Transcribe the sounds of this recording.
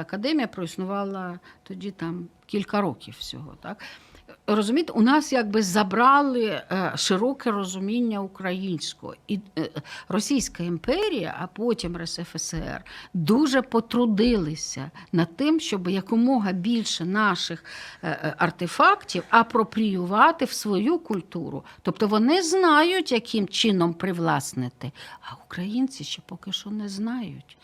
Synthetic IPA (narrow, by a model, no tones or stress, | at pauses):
ɐkɐd̪ɛmʲijɐpɾɔisnʊʋɑlˠɐ | t̪ɔdʲit̪ɑmkʲilʲkɐɾɔkʲiwsʲɔ̰ɦɔ̰t̪ɑk | rɔzʊmʲijt̪eʔʊnɑsjaɡ̚bɪzɐbɾɑlˠɪʃɪɾɔkɛrɔzʊmʲinʲːɐʊkɾɐjinʲsʲkɔ̰ɔ̰i | rɔsʲijsʲkɐimpɛɾʲijɐ̰ʔɐpɔtʲimrɛsɛfɛsɛ̰rd̪uʒɛpɔt̪ɾʊd̪ɪlˠɪsʲɐ̰nɐt̪ːɪmʃt͡ʃɔbɪjɐkʊmɔɦɐbʲilʲʃɛnɑʃɪx | ɐrt̪ɪfɑktʲiwɐpɾɔpɾʲijʊʋɑt̪ɪwsʋɔjukʊlʲt̪uɾʊ̰t̪ɔpt̪ɔʋɔnɪznɑjʊtʲjɐkʰɪmt͡ʃɪnɔmpɾɪʋlˠɑsnɪt̪ɪɐʊkɾɐjinʲt͡sʲiʃt͡ʃɛpɔkɪʃɔnɛznɑjʊtʲ